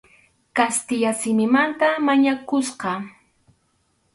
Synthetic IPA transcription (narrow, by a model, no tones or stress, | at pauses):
kast̪ɪʎasɪmɪmant̪amaɲakʊsqɑ